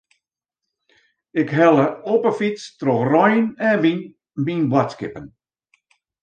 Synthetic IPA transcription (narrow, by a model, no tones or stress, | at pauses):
ɪkɦɛlˠəopəfistroxrɔjənɛbin | binbwatskɪpən